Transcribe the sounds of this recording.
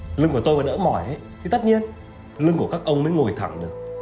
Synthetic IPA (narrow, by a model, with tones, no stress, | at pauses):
lɨ˧ŋku˧˩ət̪o˧jvaː˨˩nə̰ː˧˥mɔ˨˧˩jʔə˨˦˥jt̪ʰi˨˩t̪ə˦˥t̚ɲi˧ən | lɨ˧ŋku˧˩əkaː˦˥k̚ʔə˧wŋ͡mməː˨˦jŋo˨˩jt̪ʰa˧˩ŋɗɨ˨˩ək̚